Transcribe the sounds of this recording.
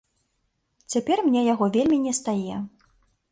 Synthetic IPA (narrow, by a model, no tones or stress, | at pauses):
t͡sʲapʲɛrmʲnʲɛjaɣɔvʲelʲmʲinʲɛst̪ajɛ